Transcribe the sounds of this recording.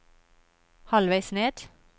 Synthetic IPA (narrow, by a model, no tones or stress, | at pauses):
hɑlʋæɪsneːd̪̥